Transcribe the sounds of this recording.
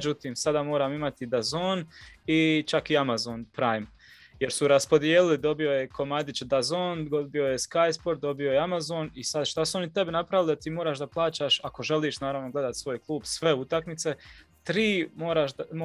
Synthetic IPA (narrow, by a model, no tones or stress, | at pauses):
d͡ʒut̪iːmsad̪aːmo̞ːɾaːmimat̪id̪azoːnit͡ʃakiamazoːnpɾajm | je̞ɾsuɾaspo̞d̪jeːlilid̪o̞bijo̞jekʰo̞mad̪it͡ʃd̪azoːnɡobio̞jeskajspo̞ɾd̪̚d̪o̞bijo̞jeamazoːnisad̪ʃt̪asuo̞nit̪e̞benapɾaʋilid̪at̪iːmo̞ːɾaːʃd̪aplˠaːt͡ʃaːʃako̞ʒe̞liːʃnaːɾaʋno̞ɡle̞d̪at̪sʋo̞ːjklˠuːbsʋe̞ut̪aknit̪se̞ | t̪ɾiːmo̞ːɾaːʃm